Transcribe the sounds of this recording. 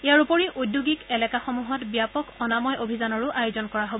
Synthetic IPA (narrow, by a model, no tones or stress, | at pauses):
ijaɹupoɹiʔodjuɡikɛlɛkaxomuɦɔtbijapɔkɔnamɔjobʱizanɔɹʊʔajozɔnkɔɹaɦobɔ